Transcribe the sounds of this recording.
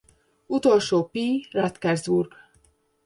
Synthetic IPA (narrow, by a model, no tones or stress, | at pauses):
ut̪o̞lʃoːpirɑt̪kɛrzburɡ